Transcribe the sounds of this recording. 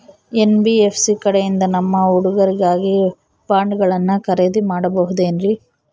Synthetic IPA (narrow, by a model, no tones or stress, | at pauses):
enbiepʰsikɐɽejind̪ɐnɐmːɐuɽuɡɐɾiɡaːɡi | baːɳɖɡɐɭɐnːukɐɾeːd̪imaːɽɐbɐɦud̪eːnɾi